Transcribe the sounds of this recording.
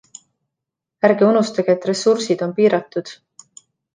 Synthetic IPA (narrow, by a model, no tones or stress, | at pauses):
æɾɡeunust̪ɑɡ̥eet̪ːre̞sursid̪̥o̞npiːɾɑt̪ːˑud̪̥